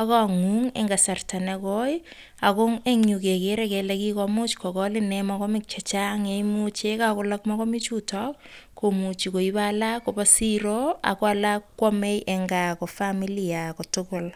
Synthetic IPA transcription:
akaŋuŋḛŋɡasartanɛkɔj | akʊŋeŋɲukekeɾɛkɛlɛkikɔmut͡ʃkɔkɔlɪnɛmɔkɔmɪk̚t͡ʃɛt͡ʃaŋeimut͡ʃekakʊlakmɔkɔmit͡ʃutɔk̚kʰːomut͡ʃikoibalakːopasiɾoa̰kwalakːɔmejʔɛŋɡakofamiliakotʊkʊl

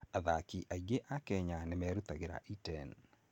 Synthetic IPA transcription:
aðakiʔaɡeʔakɛɲanɛmɛɾut̪aɡɪɾa̰ʔitɛn

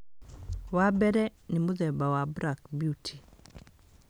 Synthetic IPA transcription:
wabɛɾɛnɪmoðɛbawabɾakbjutʰi̥

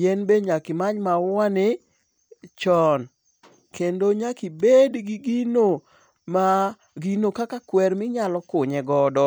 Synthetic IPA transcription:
jenbeɲakɪmaɲmaanɪ | t͡ʃɔn | kendoɲakibedɡiɡino | ma | ɡinokakakwɛɾmɪɲalɔkʊɲɛɡɔdɔ

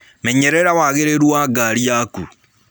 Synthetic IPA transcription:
mɛɲɛɾɛɾawaɣeɾeɾwaɡaɾiaku

